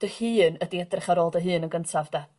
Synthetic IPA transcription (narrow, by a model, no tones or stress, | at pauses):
d̥əhɨːnədiɛdrɪχaɾoːlˠdəɦɨːnəɡəntʰavd̥a